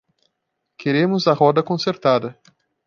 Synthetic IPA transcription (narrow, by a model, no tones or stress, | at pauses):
kʰeɾẽmʊzɐɦɔd̪ɐkõseɾt̪ad̪ɐ